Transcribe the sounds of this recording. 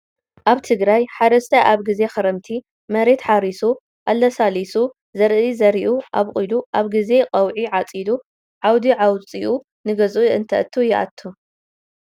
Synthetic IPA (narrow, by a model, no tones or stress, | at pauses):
ʔaβt̪ʰɨɡɾajħad̪ɐst̪ʰɐʔaβɡize̞xɐɾɐmt̪ʰi | mɐɾe̞t̪ħaɾisu | ʔalːɐsalisu | zɐɾʔizɐɾiʔuʔaβχʼiluʔaβɡize̞qʼɐwʕiʕat͡sʼid̪u | ʕawd̪iʕawt͡sʼiʔu | nɨɡɐzʔuɨnt̪ʰɐ̰ʔt̪ʰːujɪʔa̰t̪ʰːu